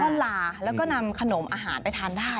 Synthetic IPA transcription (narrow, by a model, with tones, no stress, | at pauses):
na˧mlaː˨˧˩lɛː˦˥wkɔː˥˩na˧mkʰa˧no˩˦mʔaː˧ɦa̰ː˩˦npa˧jt̪ʰaː˧ŋdaː˥˩